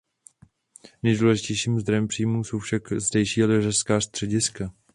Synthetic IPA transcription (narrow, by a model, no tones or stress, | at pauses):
nɛjduːlɛʒɪcɛjʃiːmzd̪ɾojɛmpr̝̥iːmuso̞wfʃakzdɛjʃiːalɪraskaːst̪r̝̥ɛɟɪska